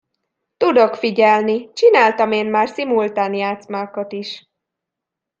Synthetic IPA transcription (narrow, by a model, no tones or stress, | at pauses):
t̪ud̪o̞kfiɟɛlnit͡ʃinaːlt̪ɒmeːnmaːrsimult̪aːnjaːt̪smaːkot̪iʃ